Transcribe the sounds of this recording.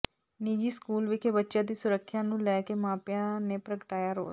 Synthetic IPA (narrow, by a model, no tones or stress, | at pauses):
niːd͡ʒiːskuːlʋɪkʰeːbətːʃãːd̪iːsʊɾəkʰːjãːnũːlɛːkeːmãːpjãːneːpɾəɡəʈaːjaːɾo̰ː